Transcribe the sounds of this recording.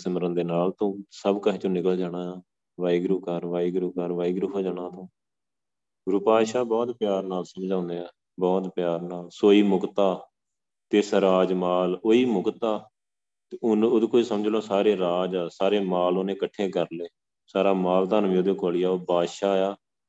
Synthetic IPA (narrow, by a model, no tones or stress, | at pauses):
səmɾənd̪eːnaːlt̪õːsəbkəɦːt͡ʃõːnɪkəld͡ʒaːɽaːaː | ʋaːiɡɾuːkəɾʋaːiɡɾuːkəɾʋaːiɡɾuɦoːd͡ʒaːɽ̃ãːt̪õː | ɡɾʊpaːʃaːbɔːt̪pɪjaːɾnaːlsəmd͡ʒãːnd̪eːɛː | bɔːt̪pjaːɾnaːlsoːiːmʊkt̪aː | t̪eːsɾaːd͡ʒmaːloːiːmʊkt̪aː | t̪ːnʊd̪koisəməd͡ʒlõːsaːɾeːɾaːd͡ʒːsaːɾeːmaːloːnẽːkəʈʰːẽːkəɾleː | saːɾaːmaːld̪ənʋĩod̪eːkoːliːaːoːbaːʃaːjaː